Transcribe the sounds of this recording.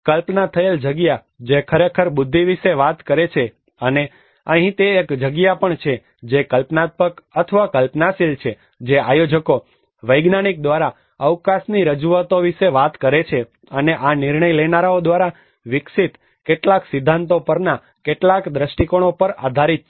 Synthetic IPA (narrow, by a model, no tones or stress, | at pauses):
kəlpnat̪ʰəeld͡ʒəɡja | d͡ʒekʰəɾekʰəɾbʊd̪ʱːiʋiʃeʋat̪kəɾet͡ʃʰe | əne | əɦĩt̪eːkd͡ʒəɡjapəɳt͡ʃʰe | d͡ʒekəlpnat̪̚pəkət̪ʰəʋakəlpnasilt͡ʃʰe | d͡ʒeajod͡ʒəko | ʋəjɡnaɽ̃ik̚d̪ʋaɾa | əʋkasniɾəd͡ʒuʋat̪oʋiʃeʋat̪kəɾet͡ʃʰe | əneʔanɪɾɳəjlenaɾaod̪ʋaɾa | ʋɪksit̪ | keʈlaksɪd̪ʱːãnt̪opəɾna | keʈlakd̪ɾəʃʈikoɽ̃opəɾa̰d̪ʱaɾit̪